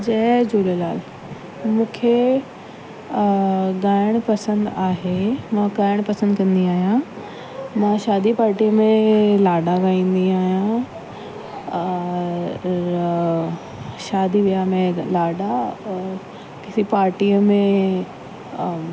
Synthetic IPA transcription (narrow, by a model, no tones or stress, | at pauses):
d͡ʑɛːd͡ʑoːlolaːl | mũːkʰe | ɡaːɪɽ̃pɐsə̃nd̪aːɦemãɡaːɪɽ̃pɐsə̃nd̪kɐ̃nd̪iaːɦijã | mãʃaːd̪ʱipaːɾʈiːəmẽlaːɖaɡaːĩːnd̪iaːɦjã | ɾ | ʃaːd̪ʱiʋijamẽlaːɖa | kɪsipaːɾʈiːəmẽ